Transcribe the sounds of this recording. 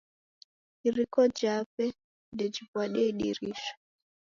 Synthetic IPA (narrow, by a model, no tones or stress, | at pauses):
iɾikɔd͡ʒapɛ | dɛd͡ʒivwaɗɛiɗḭɾiʃɔ̥